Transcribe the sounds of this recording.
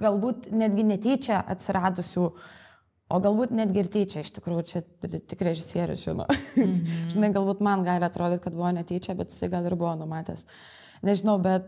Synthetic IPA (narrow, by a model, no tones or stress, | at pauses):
ɡ̥ɐlˠbuːt̪nʲæːd̪ʲɡʲɪnʲɛt̪ʲeːt͡ʃʲɛʔɐ̰t̪ʲsʲɪɾɑːd̪ʊsʲuː | oːɡɐlˠbuːt̪nʲæːd̪ʲɡʲɪrt̪ʲeːt͡ʃʲɛɪʃt̪ʲɪkɾuːjʊt͡ʃʲɛt̪ʲɪkɾʲɛʒʲɪsʲiɛɾʲʊ̰sʒʲɪno̰ː | ʒʲɪnɐɪɡɐlˠbuːt̪mɐnɡɑːlʲɪɐt̪ɾʔoːd̪ʲet̪̚ʲkɐt̪bʊʋoːnʲɛt̪ʲeːt͡ʃʲɛbʲɛt̪jɪ̥sɐɪɡɐlˠɪɾbʊʋoːnʊmɑːt̪ʲḛːs | nʲɛʒʲɪnɐʊbʲɛt̪